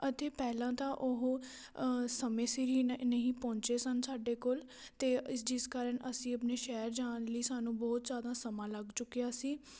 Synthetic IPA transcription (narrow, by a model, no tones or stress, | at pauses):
ət̪eːpɛːlãːt̪ãːʔʊɦ | səmẽːsɪɾiːnəɦĩːpɔ̃ːɲt͡ʃeːsənsaːɖeːkoːl | t̪eːɪsd͡ʒɪskaːɾəɳəsĩːəpneːʃɛːɾd͡ʒaːnliːsaːnũːbɔːt̪d͡ʒaːd̪ãːsəmãːləɡt͡ʃʊkːijaːsiː